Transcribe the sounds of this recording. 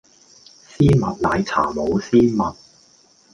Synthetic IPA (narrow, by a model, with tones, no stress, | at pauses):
siː˥mɐ˨t̚laː˧jt͡sʰa̰ː˨˩mo˨˧wsiː˥mɐ˨t̚